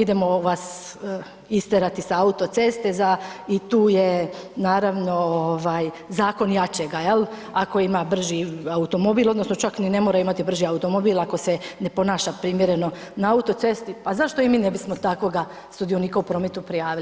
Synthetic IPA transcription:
id̪e̞mo̞ʋas | ist̪eɾat̪isaaut̪o̞t̪se̞st̪e̞zait̪uːjenaːɾaʋno̞oʋaj | zaːko̞njat͡ɕeɡajelˠ | ako̞imabr̩ʒiaut̪o̞mo̞biːlˠod̪no̞sno̞t͡ʃaknine̞moːɾaimat̪ibr̩ʒiaut̪omobiːlako̞sene̞po̞naːʃapɾimje̞ɾe̞no̞naaut̪o̞t̪se̞st̪ipazaʃt̪o̞imiːnebismot̪ako̞ɡa | sud̪ionikaupɾo̞met̪upɾijaːʋil

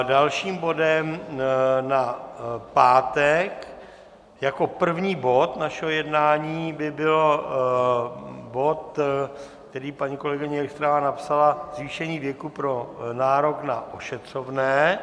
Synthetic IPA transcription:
dalʃiːmbo̞dɛm | napaːt̪ɛk | jako̞pr̩vɲiːbo̞t̪naʃɛɦojɛdnaːɲiːbɪbɪlo̞ | bo̞t̪ | kt̪ɛɾiːpaɲiːko̞lɛɡɪɲɛɛkst̪ɾavanapsalazviːʃɛɲiːvjɛkupɾo̞naːɾo̞knaʔoʃɛt̪r̝̥o̞vnɛː

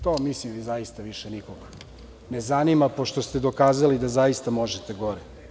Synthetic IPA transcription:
t̪omislimʋizaist̪aʋiʃenikoɡa | nezanimapo̞ʃt̪ost̪ed̪o̞kaːzalid̪azaist̪amoʒet̪eɡoɾɛ

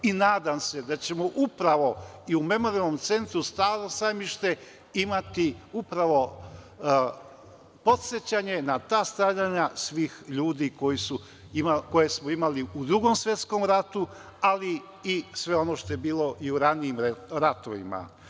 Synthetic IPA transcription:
inaːd̪amse̞d̪at͡ɕe̞moʔupɾaʋo̞iume̞mo̞ɾialˠnomt̪se̞nt̪ɾust̪aːɾosajmiʃt̪e̞ | imat̪iupɾaʋo̞ | po̞t̪set͡ɕaɲe̞nat̪aːst̪ɾaʎaɲasʋiːxʎuːd̪iko̞jisu | imako̞je̞smoimaliud̪ɾuɡo̞msʋje̞t̪sko̞mɾat̪u | ali | isʋe̞o̞noʃt̪o̞jebiːlo̞ʔiuɾaniimɾat̪oʋḭma̰

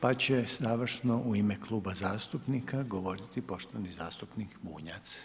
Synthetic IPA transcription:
pat͡ɕezaːʋr̩ʃno̞ʔuimeklˠuːbazaːst̪upnikaɡo̞ʋo̞ɾit̪ipo̞ʃt̪oʋnizaːst̪upnikbṵːɲat̪s

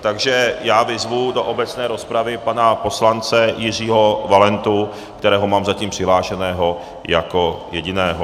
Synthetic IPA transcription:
t̪aɡʒɛjaːvɪzvudo̞ʔobɛt͡snɛːɾo̞spɾavɪpanapo̞slant͡sɛjɪr̝iːɦo̞valɛnt̪u | kt̪ɛɾɛːɦo̞maːmzaciːmpr̝̥ɪɦlaːʃɛnɛːɦo̞ | jako̞jɛɟɪnɛːɦo

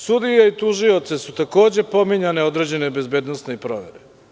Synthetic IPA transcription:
sud̪ijait̪uʒio̞t̪sesut̪ako̞ːd͡ʑe̞po̞miɲane̞o̞d̪ɾe̞ːd͡ʑe̞ne̞be̞zbe̞ːd̪nost̪neipɾoʋe̞̰ɾe

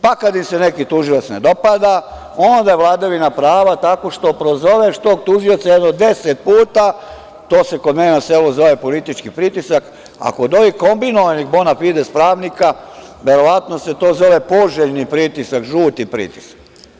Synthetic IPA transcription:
pakad̪imsenekit̪uʒilˠat̪sned̪o̞pad̪a | o̞nd̪ajeʋlˠaːd̪aʋinapɾaːʋat̪ako̞ʃt̪o̞pɾo̞zo̞ʋeʃt̪o̞ːɡ̚t̪uʒio̞t̪sajed̪nod̪e̞set̪̚puːt̪a | t̪oːse̞ko̞d̪meninase̞luzo̞ʋe̞po̞lit̪it͡ʃkipɾit̪isak | a̰kod̪o̞biko̞mbinoʋaniɡbonafid̪espɾaːʋnikaʋe̞ɾo̞ʋat̪no̞se̞t̪o̞ːzo̞ʋepo̞ʒeʎnipɾit̪isakʒuːt̪ipɾḭt̪i̥sḁk

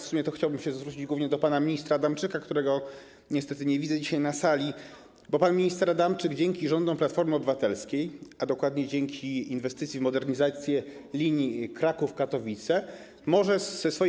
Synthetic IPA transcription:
fsumʲjɛt̪ɔxt͡ɕawbɘmɕɛzvɾut͡ɕid͡ʑɡwuvɲɛd̪ɔpanamʲiɲist̪ɾad̪amt͡ʂɘkakt̪uɾɛɡɔ | ɲɛst̪ɛt̪ɘɲɛvʲid̪zɛd͡ʑiɕajnasalʲi | bɔpanmʲiɲist̪ɛɾad̪amt͡ʂɘɡd͡ʑɛŋkʲiʐɔnd̪ɔ̃plat̪fɔɾmɘɔbɘvat̪ɛlskʲejad̪ɔkwad̪ɲɛd͡ʑeŋkʲiinvɛst̪ɘt̪sʲivmɔd̪ɛɾɲizat̪sʲjɛlʲiɲjikɾakufkat̪ɔvʲit̪sɛ | mɔʐɛɛsfɔ

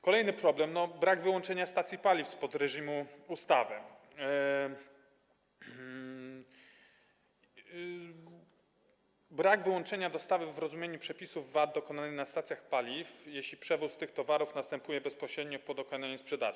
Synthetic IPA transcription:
kɔlɛjnɘpɾɔblɛmnɔbɾaɡvɘwɔnt͡ʂɛɲast̪at̪sʲjipalʲifspɔd̪ɾɛʐimuust̪avɘ | bɾaɡvɘwɔnt͡ʂɛɲad̪ɔst̪avɘvɾɔzumjeɲupʂɛpʲisuvːad̪̚d̪ɔkɔnanɘnast̪at̪sʲjaxpalʲifjeɕlʲipʂɛvust̪ɘxt̪ɔvaɾufnast̪ɛmpujɛbɛspɔɕɾɛd̪̚ɲɔpɔd̪ɔknaɲuspʂɛd̪a̰

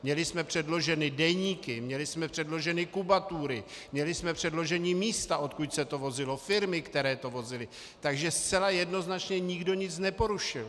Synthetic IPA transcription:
mɲɛlɪsmɛpr̝̥ɛdlo̞ʒɛnɪdɛɲiːkɪmɲɛlɪsmɛpr̝̥ɛdlo̞ʒɛnɪkubat̪uɾɪ | mɲɛlɪsmɛpr̝̥ɛdlo̞ʒɛɲiːmiːst̪aʔo̞t̪kucsɛt̪o̞vo̞zɪlo̞fɪɾmɪkt̪ɛɾɛːt̪o̞vo̞zɪlɪ | t̪aɡʒɛst͡sɛlajɛdno̞znat͡ʃɲɛɲɪɡdo̞ɲɪt͡snɛpo̞ɾuʃɪl

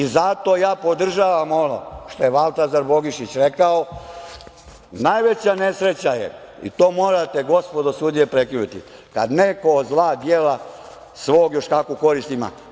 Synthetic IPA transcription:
izat̪o̞jaːpo̞d̪r̩ʒaːʋamo̞no̰ʃt̪o̞jeʋalˠt̪azaɾbo̞ɡiʃit͡ɕɾe̞kao | najʋet͡ɕane̞sɾe̞t͡ɕajḛ | ḭt̪o̞ːmoːɾat̪eɡo̞spod̪osud̪ijepɾekɾinut̪ḭka̰d̪nekozlˠaːd̪jeːla | sʋoːɡjo̞ʃt̪akuko̞ɾist̪ima̰

